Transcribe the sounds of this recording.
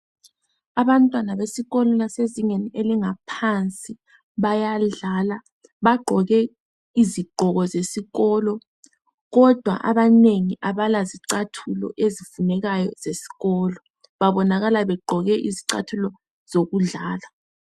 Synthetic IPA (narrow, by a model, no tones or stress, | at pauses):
aβantʼwanaβesiɣɔlɔlaseziŋenieliŋapʰant͡sʼi | βajaɮala | βaɡ͡ǃʱɔɣɛ | iziɡ͡ǃʱɔɣɔzesiɣɔlɔ | ɣɔd̥ʱwa̰ʔa̰βaneŋiʔaβalaziǀatʰulɔ̰ʔezifunɛɣajɔ̰zesi̥ɣɔːlɔ | βaβɔnaɣalaβɛɡ͡ǃʱɔɣɛʔiziǀa̰tʰulɔ | z̥oɣuɮaːla